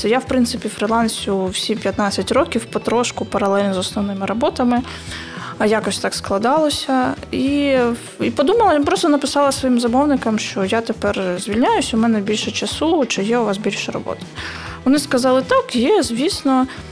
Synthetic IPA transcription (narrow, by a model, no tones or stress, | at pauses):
jawpɾɪnsɪpʲifɾɪlˠɑnʲsʲʊwsʲipʲjɐt̪nɑt͡sʲːɐtʲrɔkʲiwpɔt̪ɾɔʃkʊpɐɾɐlˠɛlʲnɔzɔsnɔwnɪmɪɾɔbɔt̪ɐmɪ | ɐjakɔsʲt̪ɑksklˠɐd̪ɑlˠɔsʲɐi | ipɔd̪umɐlˠɐjpɾɔst̪ɔnɐpɪsɑlˠɐsʋɔjimzɐmɔwnɪkɐmʃt͡ʃɔjat̪epɛrzʲʋʲilʲnʲajʊsʲʊmɛnɛbʲilʲʃɛt͡ʃɐsut͡ʃɪjɛʊʋɑsbʲilʲʃɛrɔ̰bɔ̰t̪ɪ̥ | ʋɔnɪskɐzɑlˠɪt̪ɑkjɛzʲʋʲisnɔ